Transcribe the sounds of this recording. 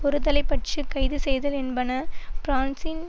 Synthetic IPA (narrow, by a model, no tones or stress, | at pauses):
pɔɾɯðɐlɐɪpːɐʈt͡ʃɯkɐɪðɯsɛjðɐlɛnbɐnɐpɾaːnsɪn